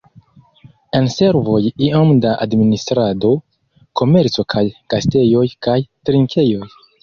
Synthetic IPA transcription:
ense̞ɾvo̞jiomdaʔa̰dministɾado̞ | ko̞me̞ɾt͡so̞kʰajɡ̥aste̞jo̞jkajtɾiŋkʰe̞jo̞j

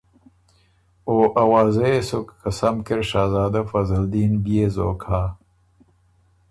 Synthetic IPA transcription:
oːʔɐwaːzesokːɐsɐmkeɾʂaːzaːd̪ɐfɐzɐld̪iːnbiezoːkʰaː

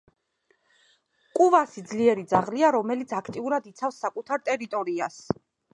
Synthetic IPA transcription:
kʼuvasid̪zliɛɾid̪zaʁliaɾɔmɛlit̪sʰakʰt̪ʼiuɾad̪it̪sʰafsːakʼut̪ʰaɾt̪ʼɛɾit̪ʼɔɾias

